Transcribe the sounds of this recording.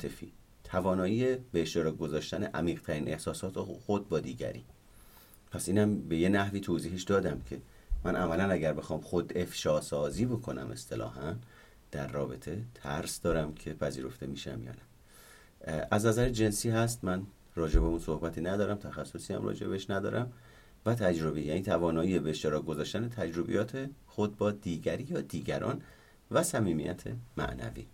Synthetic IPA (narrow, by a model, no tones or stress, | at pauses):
t̪ʰefiː | t̪ʰævɒːnɒːjiːjebeeʃt̪eɾɒːɡo̞zɒːʃt̪æne̞ʔæmiːɣt̪ʰæɾiːnʔe̞hsɒːsɒːt̪ʰexod̪̚bɒːd̪iːɟæ̰ɾḭː | pʰæsʔiːnæmbe̞je̞næhviːt̪ʰoːziːɦeʃd̪ɒːd̪æmcʰe̞ | mænʔæmælænæɟæɾbe̞xɒːmxod̪e̞fʃɒːsɒːziːbo̞kʰo̞næ̰mʔe̞̰st̪ʰe̞lɒ̰ːɦæn | d̪̥æɾːɒːbe̞t̪ʰe̞t̪ʰæɾsd̪̥ɒːɾæmcʰe̞pʰæziːɾo̞ft̪e̞miːʃæ̰mjɒ̰ːnæ | ʔæznæzæɾed͡ʒe̞nsiːɦæst̪mæn | rɒːd͡ʒe̞be̞unso̞hbæt̪ʰiːnæd̪ɒːɾæmt̪ʰæxæsːo̞siːhæ̰mrɒ̰ːd͡ʒe̞beeʃnæd̪ɒ̰ːɾʔæm | væt̪ʰæd͡ʒɾo̞bejæːniːt̪ʰævɒːnɒːiːebeeʃt̪e̞ɾɒːk̚ɡo̞zɒːʃt̪ænet̪ʰæd͡ʒɾo̞bḛjɒːt̪ʰe̞xo̞d̪̚bɒːd̪iːɟæɾijɒːd̪iːɡæɾɒ̰ːn | væsæmiːmḭjʔæt̪ʰe̞̰mæ̰ʔnæ̰vḭ